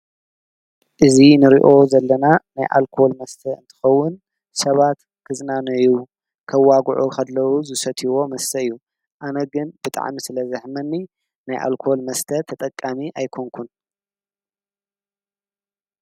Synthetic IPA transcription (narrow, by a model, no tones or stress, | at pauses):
ʔɨzinɨɾḭʔo̞zɐlːɐnanajʔa̰lkʰolmɐst̪ʰɐɨ̰nt̪ʰɨ̥xɐwːʊn | sɐβat̪ | kʰɨznanɐju | kʰɐwaɡʕukʰɐd̪lɐwuzɨsɐt̪ʰiwo̞mɐst̪ʰɐɨjːu | ʔanɐɡɨnb̥ɨt̪ʼa̰ʕmisɨlɐzɨħmɐnːi | najʔa̰lkʰolmɐst̪ʰɐt̪ʰɐt̪ʼɐkʼːamiʔajkʰoŋkʰun